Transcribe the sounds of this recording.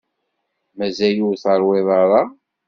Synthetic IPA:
mæzæjuθəɾˤwɪðˤɑɾˤɑ

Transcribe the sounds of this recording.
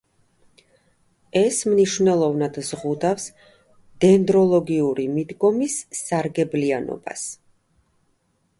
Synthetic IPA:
ɛsmniʃvnɛlˠɔvnad̪zʁud̪afs | d̪̥ɛnd̪ɾɔlˠɔɡiuɾimid̪ɡɔmisːaɾɡɛblianɔ̰ba̰s

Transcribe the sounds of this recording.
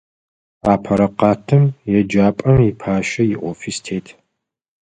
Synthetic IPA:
aːpʰɐɾɐqɑːtʰɨmjɛd͡ʒaːpʼɐmipʰaːʃɐjɪʔʷɔfistʰeːtʰ

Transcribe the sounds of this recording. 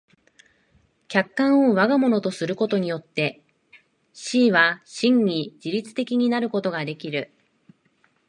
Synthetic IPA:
kʲakːãɰ̃o̞βaɡamo̞no̞t̪o̞sɨɾɯ̟ko̞t̪o̞ɲ̟ijo̞t̪ːe̞ | ɕiːβaɕĩɲ̟ɲid͡ʑiɾʲit͡sɨ̥t̪e̞kʲiɲ̟inaɾɯ̟ko̞t̪o̞ɡad̪e̞kʲiɾɯ̟

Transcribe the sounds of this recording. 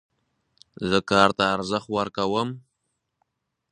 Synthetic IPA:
zəkɑɾt̪aːɾzəxt̪waɾkawəm

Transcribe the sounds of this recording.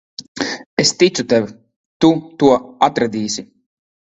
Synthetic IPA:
est̪it̪sut̪ɛvʲ | t̪ut̪uɔat̪ɾad̪iːsi

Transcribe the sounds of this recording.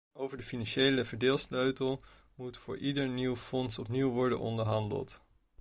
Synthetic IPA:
owvəɹdəfinɑnʃejləvəɹdeːlˠsløɥtəlˠmutfʊːɹʔidəɹniwfɔnsɔpniwʋɔɹdə̰nɔ̰ndəɹɦɑndə̰lˠt

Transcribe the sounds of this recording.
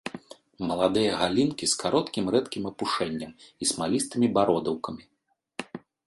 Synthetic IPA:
mɐlˠad̪ɨjɐɣalʲinkʲiskʰaɾɔt̪kʲimɾɛt̪kʲimɐpuʂɛnʲːɐmismalʲist̪ɨmʲibaɾɔd̪ɐwkɐmʲi

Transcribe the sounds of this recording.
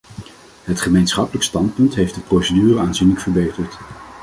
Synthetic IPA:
ɦətχəmejnsχɑpələkstɑntpɵntɦejfdəprowsədyːrəaːnzinləkfəɹbejtəɹt

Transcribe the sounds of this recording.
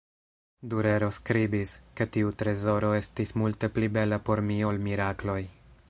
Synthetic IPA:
duɾe̞ɾo̞skɾibiske̞tiutɾe̞zo̞ɾo̞e̞stismulte̞plibe̞lapo̞ɾmio̞lmiɾaklo̞j

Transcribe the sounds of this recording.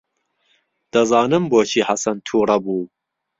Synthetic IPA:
d̪̥ɐzɑːnɨmboːt͡ʃʰiːħasɐnt̪ʰuːɾˤɐbuː

